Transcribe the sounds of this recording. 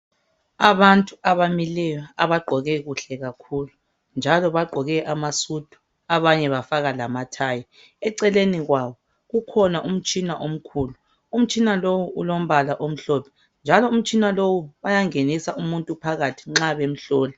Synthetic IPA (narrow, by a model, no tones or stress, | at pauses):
aβantʼuaβamilɛjɔaβaɡ͡ǃʱɔɣɛɣuɬɛɣakʰulu | nd͡ʒʱalɔβaɡ͡ǃʱɔɣɛʔamasud̥ʱu̥ | aβaɲɛβafaɣalamatʰaji | ɛǀɛleniɣwaβɔ | ɣukʰɔnaʔum̩t͡ʃʼinaʔom̩kʰulu | um̩t͡ʃʼinalowuʔulom̩βalaʔom̩ɬɔpʰɔ̥ | nd͡ʒʱalɔum̩t͡ʃʼinalowuβajaŋenisaʔumuntʼupʰaɣatʰi̥ŋ͡ǁaβem̩ɬɔːli